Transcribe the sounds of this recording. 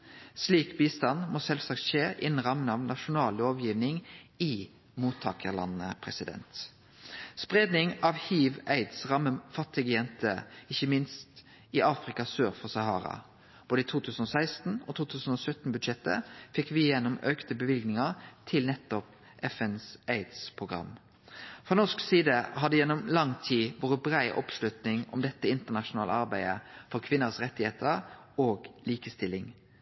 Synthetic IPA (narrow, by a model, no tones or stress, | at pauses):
sliːkbiːst̪ɑnmoːsɛlsɑkt̪ʃeːʔɪ̰nn̩ʁɑmənɑʋnɑʃʊnɑːloːʋjiːʋnɪŋɪ | muːt̪ʰːɑːkʰəʁlɑ̰nːə̰pʰʁɛsɪd̪ɛ̰nt̪ | spʁeːd̪nɪŋɑʋhiːʋæɪd̪sʁɑmːəfɑt̪ːɪɡəjɛnt̪ʰəɪçəmɪnst̪ | ɪʔɑːfʁɪkɑsøːʁfɔsɑhɑ̰ːʁɑ̰ | b̥oːd̪əiːt̪ʰuːt̪ʰʉːsən̩oːsæɪst̪n̩o̰t̪ʰuːt̪ʰʉːsn̩osœt̪n̩bʉd̪ʃɛt̪ːə̰fɪkːʋɪɪjɛnːɔmøːkt̪əbəʋɪlɡnɪŋɑʁt̪ʰɪlnɛt̪ːɔp | ʔɛfɛnsæɪd̪spʰʁʊɡʁɑ̰m | fʁonɔʂksiːd̪əhɑd̪əjɛnːɔmlɑŋt̪ʰiːʋoːʁəbɾæɪʔɔ̰pslʉt̪nɪŋɔ̰md̪ɛt̪ːəɪnt̪əʁnɑʃʊnɑːləɑɾbæɪəfɔʁkʰʋɪnːəʁsʁɛt̪ːɪheːt̪ʰəɾ | oːɡliːkəst̪ɪlːɪŋ